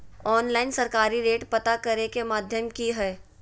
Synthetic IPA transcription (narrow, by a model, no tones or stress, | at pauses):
ɔːnlaːɪnsɐɾkaːɾiɾeːʈpɐt̪akɐɾekemaːd̪ʱjəmkiɦɛː